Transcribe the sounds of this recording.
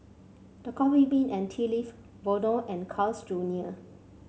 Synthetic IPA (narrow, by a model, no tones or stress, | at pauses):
d̥əkʰɔ̃mibĩnɛ̃ntʰilif | vɔdɔ̃ʔɛ̃nkʰalsd͡ʒuniə